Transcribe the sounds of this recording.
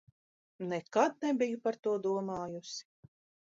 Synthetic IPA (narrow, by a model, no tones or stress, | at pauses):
nɛkad̪̚nɛbijupaɾt̪uɔd̪uɔmaːjusi̥